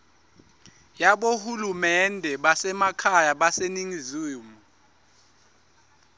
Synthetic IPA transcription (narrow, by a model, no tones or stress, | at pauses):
jaɓohulumɛndʱɛɓasɛmakʰajaɓaseniŋizuːmu